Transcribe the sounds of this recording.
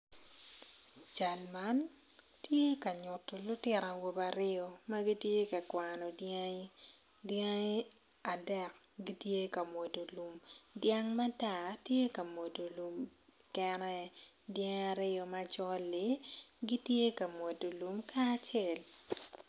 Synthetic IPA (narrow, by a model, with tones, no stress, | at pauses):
t͡ʃa˨lma˨˦n | tje˦ka˨ɲʊ˨tːɔ˨lʊ˦tɪ˦ɾa˨wo˦ba˨ɾɪ˦ɔ˦˨mɐ˦ɡi˦tje˦kɐ˨kwa˨nɔ˨d | dje˦ŋ˦ | a˨dɛ˦˨k̚ | ɡi˦tje˦kɐ˨mwo˨do˨lu˨mdja˦ŋma˦ta˨tje˦kɐ˨mo˨do˨lu˨m | kɛ˦nɛ˦ | djɛ˦ŋa˨ɾɪ˦ɔ˨ma˦t͡ʃɔ˦lːɪ˦ɡi˦tje˦kɐ˨mwo˨do˨lu˨mka˦t͡ʃe˦˨l